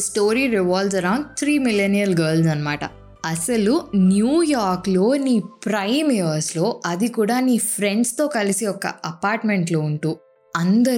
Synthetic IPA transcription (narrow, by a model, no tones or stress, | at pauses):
sʈoːɾiːɾiʋaːlzɐɾɐwɳɖ̚t̪ʰɾiːmilenijɐlɡɐːlzɐnːɐma̰ːʈɐ̰ | ɐsɐlunjuːjaːɾklo̞ːniːpɾɐjmeʋɐɾslo̞ːʔɐd̪ikuːɽaːniːpʰɾe̞ɳɖst̪o̞ːkɐliseɔkɐ̰ɐpaːɾʈme̞ɳʈlo̞ːuɳʈuː | ɐnd̪ɐ